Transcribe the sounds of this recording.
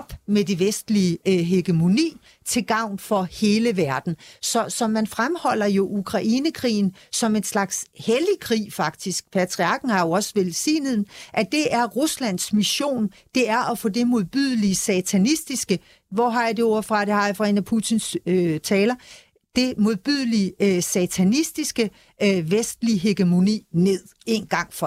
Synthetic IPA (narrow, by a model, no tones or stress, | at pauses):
b̥med̥e̝ʋesd̥liəɦeɡ̥əmo̝nḭː | t͡sʰe̝ɡ̥ɑ̈ʊ̰nfɒ̽he̝ːləʋæɐd̥n̩sɒ̽sɒ̽mænfʁamhɒ̽l̰ɐjo̝ʔukʰʁɑ̈ʔiːnəkʰʁḭːn̩sɒ̽me̝nslɑ̈ɡ̥shel̥ikʰʁḭːfɑ̈ɡ̥̚d̥isɡ̥̚pʰæt͡sʰʁiɑ̈ɡ̥n̩hɑ̈jo̝ɒ̽səʋelsḭːnəð̩ˠʔæd̥e̝ʔæɐʁuslæn̰smiɕo̝̰ːnd̥e̝æɐʔɒfɔ̰̽ːd̥e̝mo̝ð̞ˠb̥yðˠliəsɛt͡sʰænisd̥isɡ̥ə | ʋɒɦɑ̈jɑde̝ɔɐ̰fʁɑ̈d̥e̝hɑ̈jɑfʁɑenæpʰut͡sʰinsøt͡sʰɛːlɐ | d̥e̝mo̝ðˠb̥yð̰ˠliəsɛt͡sʰænisd̥isɡ̥ə | ʋesd̥liəɦeɡ̥əmo̝nḭːne̝ð̞̰ˠe̝nɡ̥ɑ̈ŋ̰fɒ